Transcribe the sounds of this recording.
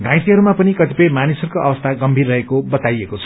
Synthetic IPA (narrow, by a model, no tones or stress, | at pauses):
ɡãj̃t̪iɦʌɾumapʌnikʌt̪ipʌjmanisʌrkoʔʌbʌst̪ʰaɡʌmbʱirːʌɦekobʌt̪ajekot͡sʰʌ̥